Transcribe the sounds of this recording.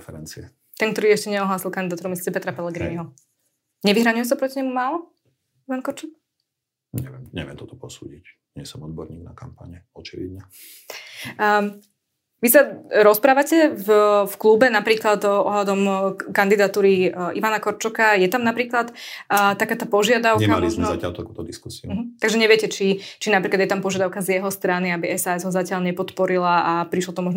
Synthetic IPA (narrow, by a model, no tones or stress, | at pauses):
fɛɾɛnt͡siɛ | t̪ɛnkt̪ɔɾiːɛʃcɛɲɛɔɦlaːsilˠkand̪id̪at̪uɾumislicɛpɛt̪ɾapɛlɛɡɾḭniɦɔ | ɲɛʋiɦɾaɲʊjɛs̬apɾɔciɲɛmumaːlɔ | iʋankɔɾt͡ʃɔk̚ | ɲɛʋɛmɲɛ̰ʋɪɛmt̪ɔt̪ɔ̥pɔsṵːɟic | ɲɪɛsɔmɔd̪̚bɔɾɲiːɡ̚nakampa̰ɲɛɔt͡ʃiʋḭd̪ɲa | ʋisaɾɔspɾaːʋacɛvfklubɛnapɾiːklat̪ɔɦlad̪ɔmkand̪id̪at̪uːɾiʔiʋanakɔɾt͡ʃɔkajɛt̪amnapɾiːklat̪ːt̪akaːt̪aːpɔʒɪad̪aʊkɲɛamalizmɛzacɪa̰ʎt̪akuːt̪ɔd̪iskusiumɦ̩t̪aɡʒɛɲɛʋɪɛcɛt͡ʃit͡ʃinapɾiːklad̪jɛt̪ampɔʒɪad̪aʊkazjɛɦɔst̪ɾaniabiɛsaːɛzɦɔzacɪaʎɲɛpɔt̪pɔɾilaapɾiʃlɔt̪ɔmɔʒn